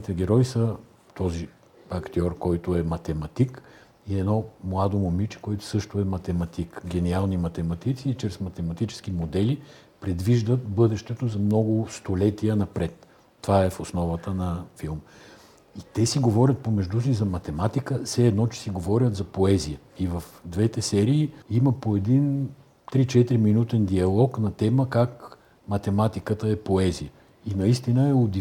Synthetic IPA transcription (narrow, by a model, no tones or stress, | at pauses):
t̪ɛɡʲɛɾɔisə | t̪ɔzi | ɐkt̪ʲɔɾkɔjt̪ʊɛmɐt̪ɛmɐt̪ik | iɛd̪nɔmlˠad̪omomit͡ʃɛ̥kɔɛt̪ʊ̥sɤʃt̪ʊɛmɐt̪ɛmɐt̪ikɡʲɛnialˠnimɐt̪ɛmɐt̪it̪siːt͡ʃɾɛsmɐt̪ɛmɐt̪it͡ʃɛ̥sk̟imod̪ɛli | pɾɛd̪viʒd̪ət̪bɤd̪ɛʃt̪ɛt̪ozɐmnɔɡʊst̪olɛt̪iənɐpɾɛt̪ː | ovaɛfosnɔvɐt̪ənɐfilˠm | it̪ɛsiɡovɔɾʲət̪̚pomɛʒd̪usizɐmɐt̪ɛmat̪ikəsɛɛd̪nɔt͡ʃɛ̥siɡovɔɾʲət̪zɐpoɛzijə | ivɐfd̪vɛt̪ɛsɛɾiːiməpoɛd̪in | t̪ɾit͡ʃɛt̪ɾiminut̪ɛnd̪iɐlˠɔknɐt̪ɛməkak | mɐt̪ɛmat̪ikət̪əɛpoɛzijə | inɐist̪inəɛod̪i